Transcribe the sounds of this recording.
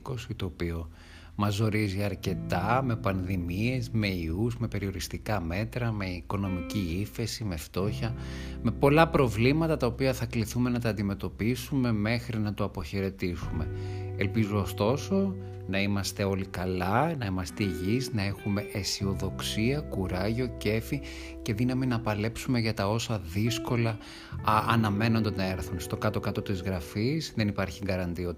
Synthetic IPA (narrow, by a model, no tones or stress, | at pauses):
ko̞sit̪o̞ːpio̞ | mɐzo̞ɾiziɐɾce̞t̪ɐme̞pɐnðimie̞zme̞iuzme̞pe̞ɾio̞ɾist̪ikɐme̞t̪ɾɐme̞iko̞no̞miciife̞sime̞ft̪o̞çɐme̞po̞lɐpɾo̞vlimɐt̪ɐt̪ɐopiɐθɐkliθume̞nɐt̪ɐːnd̪ime̞t̪o̞pisume̞me̞xɾinɐt̪oɐpo̞çe̞ɾe̞t̪isume̞elpizuost̪o̞so̞ | nɐimɐst̪e̞o̞likɐlɐnɐimɐst̪eiʝiznɐe̞xume̞ʔesio̞ðo̞ksiɐkuɾɐʝo̞ce̞fi | ce̞ðinɐminɐpɐle̞psume̞ʝɐt̪ɐo̞sɐðisko̞lɐː | nɐme̞no̞nd̪eneɾθonst̪o̞kɐt̪o̞kɐt̪o̞t̪izɣɾɐfisðe̞nipɐɾçiŋɡɐɾɐnd̪io